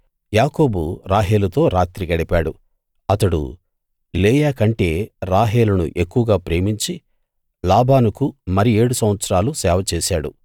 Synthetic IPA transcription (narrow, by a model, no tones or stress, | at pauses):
jaːko̞ːbuɾaːɦeːlɐt̪o̞ːɾaːt̪ɾikɐɽipaːɽu | ɐt̪ɐɽṵ | ileːjaːkɐɳʈe̞ːɾaːɦeːlɐnṵʔekːuʋɐɡaːpɾe̞ːmiɲt͡ʃi | laːbaːnukumɐɾie̞ːɽusɐmʋɐt̪sɾaːlusɛːʋɐt͡ʃeːsaːɽṵ